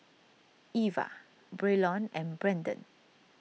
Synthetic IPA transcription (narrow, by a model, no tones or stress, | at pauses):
iva̰ | bɹelɔ̃nɛ̃nbɹɛ̃ndə̰̃n